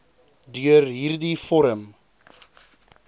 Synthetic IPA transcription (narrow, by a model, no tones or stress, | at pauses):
dyərɦiːrdifɔɾəm